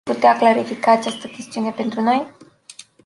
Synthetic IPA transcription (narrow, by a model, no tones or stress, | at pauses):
put̪eaklaɾifikaːt͡ʃast̪əkʲe̞st̪iune̞pe̞nt̪ɾuno̞j